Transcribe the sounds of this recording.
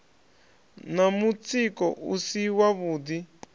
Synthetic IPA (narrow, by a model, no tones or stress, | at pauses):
namut͡sikɔʔusiwaβuːd̪i